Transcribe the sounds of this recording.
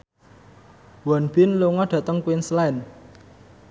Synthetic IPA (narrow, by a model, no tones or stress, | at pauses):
wɔnb̥ɪnloŋɔɖ̥ä̤t̪əŋkwinslɛn